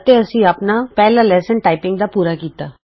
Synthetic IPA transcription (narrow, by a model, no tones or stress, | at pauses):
t̪eːəsĩːaːpnaːpɛːlaːlɛːsənʈaːɪpɪŋɡd̪aːpuːɾaːkiːt̪aː